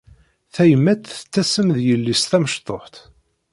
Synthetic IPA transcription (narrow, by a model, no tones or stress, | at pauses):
θæjəmːæt̪θə̥t͡sːæsəmðjəlːist̪æməʃt̪ˤːoħt̪